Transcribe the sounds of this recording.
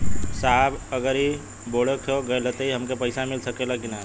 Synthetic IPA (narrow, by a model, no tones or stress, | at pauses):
saːbəɡəɾi | boːɽekʰoɡəelət̪eiɦɐmkepəɪsamɪlsəkelakina